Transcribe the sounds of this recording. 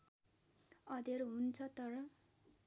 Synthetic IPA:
ʌd̪eɾuɦunt͡sʰʌt̪ʌɾʌ

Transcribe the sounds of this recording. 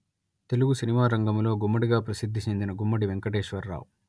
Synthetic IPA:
t̪e̞luɡusinimaːɾɐŋɡɐmlo̞ːɡumːɐɽiɡaːpɾɐsid̪ʱːit͡ʃend̪inɐɡumːɐɽiʋeŋkɐʈeːʃʋɐɾːa̰ːw

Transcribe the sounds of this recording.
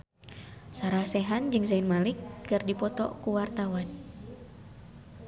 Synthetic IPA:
saɾahsɛɦand͡ʒɨŋzainmalikːɨrdipɔt̪ɔ̰kuwart̪awan

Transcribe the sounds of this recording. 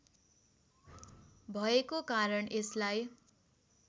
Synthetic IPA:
bʱʌekokaɾʌɳeslaj

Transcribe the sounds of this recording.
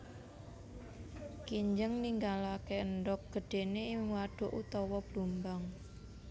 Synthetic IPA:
kiɲd͡ʒəŋniŋɡalakeənd̪ɔk̚ɡ̥ə̤ɖ̥e̤neŋwaɖ̥o̤ʔut̪ɔwɔb̥lumbaŋ

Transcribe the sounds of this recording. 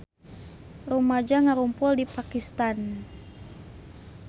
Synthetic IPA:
rumad͡ʒaŋaɾumpʊldipakist̪an

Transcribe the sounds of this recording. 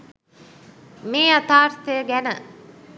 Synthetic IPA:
meːat̪aːɾt̪əjəɡænə

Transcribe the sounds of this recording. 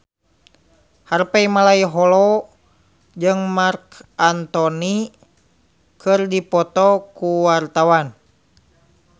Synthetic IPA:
harpɛimalaiɦɔlɔ | d͡ʒɨŋmarkant̪ɔni | kʰɨrdipɔt̪ɔkuwart̪awan

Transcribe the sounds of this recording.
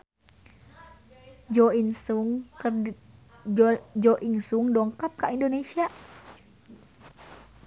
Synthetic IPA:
d͡ʒoiŋs | d͡ʒoʔiŋsuŋdoŋkap̚kaʔindonesiaʔ

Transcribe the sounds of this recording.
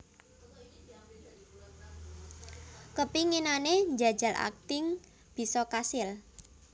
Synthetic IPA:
kəpiŋinaneɲd͡ʒa̤d̥d͡ʒ̥a̤lʔa̰k̚t̪ɪŋ | b̥i̤sɔkasɪl

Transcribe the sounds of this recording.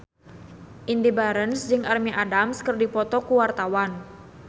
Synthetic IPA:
ʔindibaɾənsd͡ʒɨŋʔarmiʔadamskərdipɔt̪ɔkuwart̪awan

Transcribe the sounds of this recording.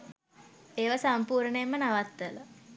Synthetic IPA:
eːʋasampuːɾɳəemːənaʋat̪ːələ

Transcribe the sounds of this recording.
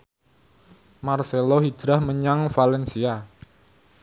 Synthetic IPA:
marselohi̥d̥ɾahməɲaŋfalɛnsia

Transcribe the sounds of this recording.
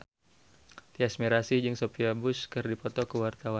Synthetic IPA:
t̪iasmiɾasid͡ʒɨŋsopiabʊskɨrdipɔt̪ɔkəwart̪awan

